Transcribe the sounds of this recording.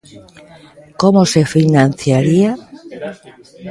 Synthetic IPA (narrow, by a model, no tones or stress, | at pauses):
komosefinan̟θjaɾia